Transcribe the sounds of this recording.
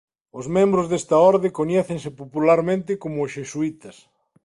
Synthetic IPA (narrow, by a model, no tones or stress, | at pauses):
ozmẽmbɾozðest̪ɐɔɾðekoɲɛθeŋs̬ɪpopulaɾmẽnt̪ɪkomʊsʃesuit̪ɐs